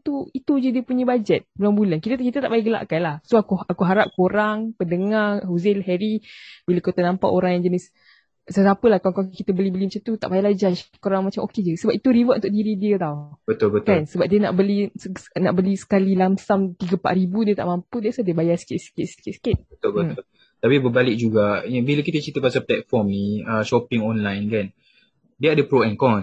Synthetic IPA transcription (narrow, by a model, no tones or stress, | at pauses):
t̪uit̪ud͡ʒədiəpuɲəbad͡ʒɛt̪̚bəlumbulankit̪əkit̪ət̪aʔbajaʔɡəla̰ʔkanlahsoakuakuɦaɾap̚koɾaŋpəndəŋaɦuzɪlɦɛɾibiləkot̪ənãmpa̰ʔoɾaŋjaŋd͡ʒənɪs | satapəlahkaŋkawkit̪əbəlibəlimat͡ʃant̪ut̪aʔbajalad͡ʒaʃkoɾaŋmat͡ʃamʔoked͡ʒəsəbap̚it̪uɾivətʔunt̪oʔ̚diɾidiət̪awbət̪ʊlbətkansəbap̚diəna̰ʔbəlinaʔbəlisə̥kalilamsamt̪iɡəpa̰ʔɾibudiət̪a̰ʔmampudiəsadiəbajasə̥kɪt̪̚sə̥kɪt̪̚sə̥kit̪̚sə̥kɪt̪̚bət̪ʊlbət̪ʊl | t̪apibəbalɪk̚d͡ʒuɡajabiləkit̪ət͡ʃit̪əpasaplɛt̪̚fɔmniəʃɔpɪŋɔnlajnkan | diadəpɾoɛnkɔ